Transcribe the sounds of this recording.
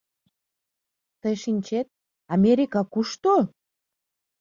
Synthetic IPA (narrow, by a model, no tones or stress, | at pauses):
t̪əjʃinʲt͡ɕet̪̚ | ɑmeɾʲikɑkuʃt̪o